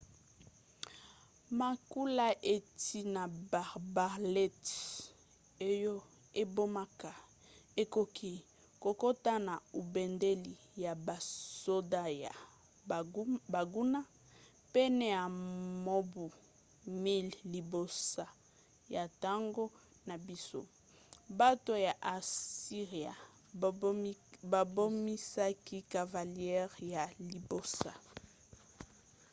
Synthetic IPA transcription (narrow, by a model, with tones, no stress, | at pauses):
ma˨ku˦la˦ʔe˨ti˦na˨ba˨ba˨lɛ˦t | e˦jo˦ | e˦bo˦ma˦ka˨ | e˦ko˨kʰi˦ | ko˨ko˦ta˦na˨u˨bɛ˨nde˦li˨ | ja˨ba˨so˦da˦ja˨ | ba˨ɡu˦na˦ | pɛ˦nɛ˦ja˨mo˦bu˨ | mi˦lːi˨bo˦sa˨ | ja˨ta˦ŋɡo˦ | na˨bi˦so̰˦ | ba˦to˦ja˨ʔa˨si˦ʁi˨a̰˨ | ba˨bo˦mi˦sa˦ki˦ka˨va˨ljɛ˦ʁja˨li˨bo˦˨sa˨